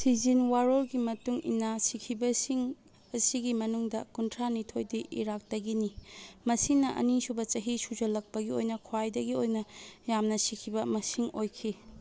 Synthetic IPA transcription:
sizinwaɾolɡimɐtuŋḭnːasikʰibɐsiŋ | ɐsiɡimɐnuŋdɐkuntʰɾanitʰojdiʔḭɾak̚tɐɡinimɐsinɐʔɐ̰nisubɐt͡ʃɐɦisud͡ʒɐlɐk̚pɐɡiojnɐkʰwajdɐɡiojnɐjamnɐsikʰibɐmɐsiŋojkʰi

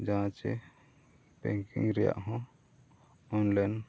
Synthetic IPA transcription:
d͡ʒaɦãt͡ʃɛ̰ | bɛ̰̃ŋkḭ̃ŋɾɛja̰ʔɦɔ̃ | ɔnlan

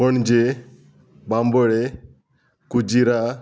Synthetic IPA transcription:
pəɳd͡ʒe | bambəɭe | kud͡ʒiɾa

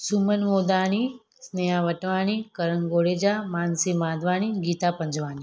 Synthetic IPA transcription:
sumənʋod̪aːɽ̃i | snejaʋəʈʋaːɽ̃ikəɾənɡoɽed͡ʒamaːnsimaːd̪ʱʋaːɽ̃iɡiːt̪apəɲd͡ʒʋaːni

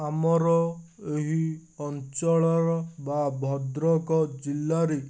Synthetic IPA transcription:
amɔɾɔeɦiɔnt͡ʃɔɭɔɾɔbabʱɔd̪ɾɔkɔd͡ʒilːaɾe

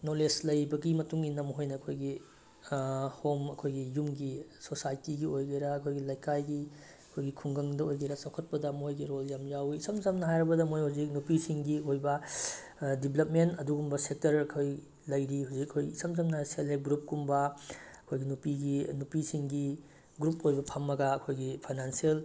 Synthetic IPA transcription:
noleslɐjbɐɡimɐtuŋinɐmɦojnɐːkʰojɡi | homɐkʰojɡijumɡisosajtiɡiojɡɐjɾɐːkʰojɡilɐjkajɡi | ɐkʰojɡikʰuŋɡɐŋdɐojɡɐjɾɐsawkʰɐt̚pɐdɐmojɡiɾoljamjawiisɐmzɐmnɐɦajɾɐbɐdɐmojhawzik̚nupisiŋɡiojbɐ | diblɐp̚mentɐduɡumbɐsek̚tɐɾɐkʰoj | lɐjɾihuwzikɐkʰojisɐmzɐmnɐɦajseleɡɾup̚ɡumbɐɐkʰojɡinupiɡinupisiŋɡi | ɡɾupojbɐpʰɐmːɐɡɐːkʰojɡipʰajnansiel

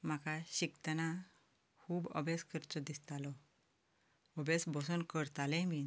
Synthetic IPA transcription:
m̤akaɕikt̪ana | kʰuːbə̰beskəɾt͡sɔd̪ist̪alɔ | ɔbesbʱɔsənkəɾt̪alɛ̃mi

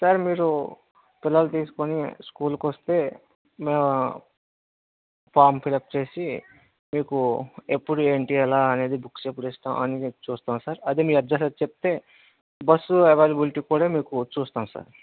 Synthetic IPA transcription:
saɾmiːɾu | pilːɐlut̪iːsu̥koniskuːlukost̪e̞ː | me | paːmpʰilɐp̚t͡ʃe̞ːsi | miːkuepːuɽueːɳʈiɛlaːɐne̞ːd̪ibuksepːuɽeːsʈ̪a̰ːɐ̰nit͡ʃuːst̪aːmsaːɾɐd̪emiːɐd̪ʱɐsɐɾt͡ʃep̚t̪e̞ː | bɐsːueʋeːlɐbilʈiːkuːɽaːmiːkut͡ʃuːst̪aːm̃sa̰ːɾ

